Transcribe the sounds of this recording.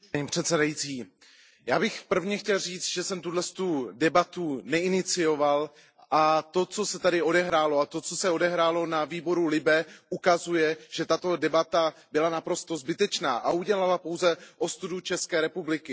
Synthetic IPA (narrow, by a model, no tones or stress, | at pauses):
ɲiːpr̝̥ɛt̪sɛdajit͡siː | jaːbɪxpr̩vɲɛxcɛlriːt͡st̪ʒɛsɛmt̪udlɛst̪udɛbat̪unɛɪnɪt͡sɪjo̞val | ʔat̪o̞t͡so̞sɛt̪adɪo̞dɛɦɾaːlo̞at̪o̞t͡so̞sɛo̞dɛɦɾaːlo̞naviːbo̞ɾulɪbɛʔukazujɛʒ̥ɛt̪at̪o̞dɛbat̪abɪlanapɾo̞st̪o̞zbɪt̪ɛt͡ʃna̰ːʔauɟɛlalapowzɛʔo̞st̪udut͡ʃɛskɛːɾɛpublɪkɪ